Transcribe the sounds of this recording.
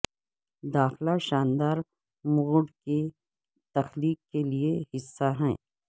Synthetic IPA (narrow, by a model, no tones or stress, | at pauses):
d̪aːxlaʃaːnd̪aːɾ | muːɖke | t̪ɐxliːkːeliehɪsːaɦɛ̃ː